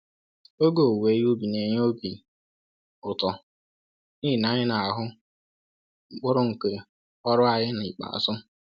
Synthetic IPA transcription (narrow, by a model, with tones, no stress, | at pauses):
o˦ɡo˨we˨˦jo˦bi˨ne˨ɲ˦o˦bi˨ | ʊ˨tɔ˨ | ni˦˨na˨ɲɪ˦na˨a˨ɦʊ˦ | k͡pʊ˦ɾʊ˦ŋ̩˨ke˨ | ɔ˦ɾʊ˦a˨ɲɪ˦n˨i˨k͡pa̰˨sʊ˦